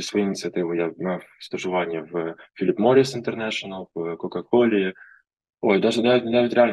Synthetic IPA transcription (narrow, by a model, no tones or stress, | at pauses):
svɐjiɪnʲɪt̪sɨɐt̪ɨvɨjamafst̪əʐɨvanʲɪjəvfʲilʲɪpmoɾʲɪsɪnt̪ərnæʂənəlˠvkokɐkolʲɪɪ | ojd̪aʐd̪avʲɪt̪ʲnʲɪd̪avɪt̪ʲɾʲɪalʲn